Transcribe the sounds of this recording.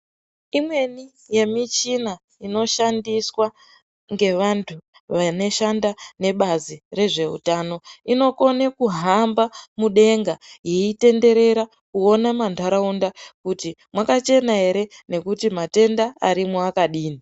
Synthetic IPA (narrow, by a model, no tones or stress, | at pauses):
imwe̞ni | je̞mit͡ʃina | ino̞ʃandiswa | ŋɡe̞ʋantʰu | ʋane̞ʃandane̞ɓazire̞ʐe̞ṵtaːno̞ino̞ko̞nekuɦambamuɗe̞ŋɡajeite̞nde̞ɾe̞ɾa | kuo̞namandʱaɾaundakutimwakat͡ʃe̞naɦe̞ɾene̞kutimate̞ndaa̰ɾimwuakaɗiːni